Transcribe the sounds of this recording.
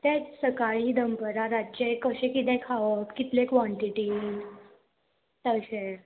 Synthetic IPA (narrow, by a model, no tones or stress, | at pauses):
t̪ɛsəkaɭid̪əmpəɾaɾat͡ɕekəɕẽkit̪ɛ̃kʰaʋək̪kit̪lekʋɔ̃ɳʈiʈi | t̪əɕe